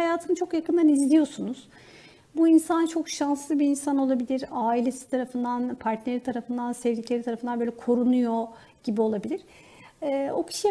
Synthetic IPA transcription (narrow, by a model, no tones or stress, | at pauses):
ajaːt̪ʰɯnɯt͡ʃʰo̞kjakɯnd̪anizlʲijo̞sunuz̥ | buinsant͡ʃʰo̞kʃanslˠɯbiinsano̞lˠabilʲiɾaːilʲe̞si̥t̪ʰaɾafɯnd̪anpʰaɾt̪neɾit̪ʰaɾafɯnd̪ansɛvʲɟicʰlʲeɾit̪aɾafɯnd̪anbøːlʲɛkʰo̞ɾunujo̞ | ɟ̥ibio̞lˠabilʲiɾ̥ː | o̞cʰi̥ʃi